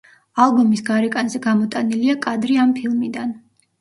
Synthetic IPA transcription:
alˠbumisɡaɾɛkʼanzɛɡamɔt̪ʼaniliakʼad̪ɾiampʰilˠmid̪an

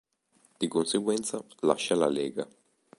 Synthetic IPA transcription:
d̪̥ikonseɡwɛnt̪salaʃːalalɛːɡa

